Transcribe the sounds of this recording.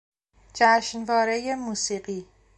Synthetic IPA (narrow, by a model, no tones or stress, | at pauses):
d͡ʒæʃnvɒːɾejemuːsiːɢiː